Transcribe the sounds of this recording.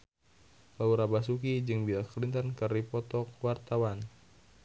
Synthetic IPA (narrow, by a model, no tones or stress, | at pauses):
bauɾabasukid͡ʒɨŋbiaklint̪ankəripɔt̪ɔk̚wart̪awan